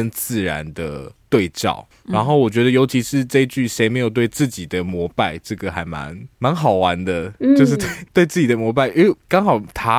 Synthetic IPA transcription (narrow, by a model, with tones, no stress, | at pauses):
ə˦nt͡sɹ̩˥˩ɻa̰˧˦nd̪ə˨t̪we˥˧ɪt͡ɕɑ̰˨˩ʊ | ɻa˧˥nxo˥˩ʊwɔ˨˩t͡ɕɥɛ˧˥d̪ə˧jo˧˥ʊt͡ɕʰi˧˥ʂɻ̩˥˧ʈ͡ʂɤ˥˧i˦˥t͡ɕy˥˩ʂe˧˥ɪme˧˥ɪjo˨˩ʊt̪we˥˧ɪt͡sɹ̩˥˩t͡ɕi˨˩d̪ə˦mwɔ˧˥pa˥˧ɪʈ͡ʂɤ˥˩ɡə˩xa˧˥ɪma̰˧˦nma˧˦nxɑ˨˩ʊwa˧˦nd̪ə˧t͡ɕjo˥˧ʊʂ̬̩˥˧˩t̪we˥˩ɪt̪we˥˧ɪt͡sɹ̩˥˩t͡ɕi˨˩d̪ə˩mwɔ˧˥p̬a˥˩ɪy˥kɑ˥ŋxɑ˨˩ʊt̪ʰa˥